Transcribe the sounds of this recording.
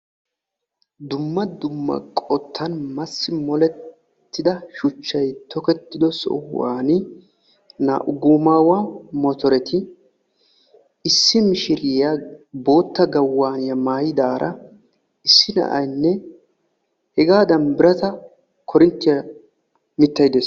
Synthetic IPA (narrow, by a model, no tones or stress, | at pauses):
d̪ʊmːɐd̪ʊmːɐ̰kʼɔt̪ʰːɐnmɐsːɪmɔlɛː | ɪd̪ɐʃʊt͡ʃːɐjt̪ɔkɛt̪ːɪd̪ɔsɔ̰hwa̰ːnɪ | na̰ʔʊɡʊːmaːwamɔt̪ɔɾɛt̪ʰɪ | ɪsːɪmɪʃɪɾɪjabo̞ːt̪ːɐɡɐwːaːnɪjɐmaːjɪd̪aːɾʔɐ | ɪsːɪnɐ̰ʔɐ̰jnːɛ | hɛɡaːd̪ɐnbɪɾɐt̪ɐ | kʰɔɾɪnt̪ːɪjɐ | mɪt̪ːɐjd̪es